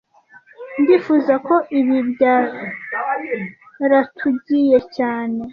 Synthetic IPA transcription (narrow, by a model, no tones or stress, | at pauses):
ndifuzakʰo̞ʔiβibja | ɾatʰuɟije̞caːne̞